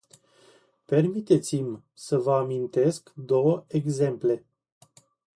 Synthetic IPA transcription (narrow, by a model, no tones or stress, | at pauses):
pe̞rmit̪e̞t̪sim | səvəamint̪e̞skd̪o̞wəeɡze̞mple̞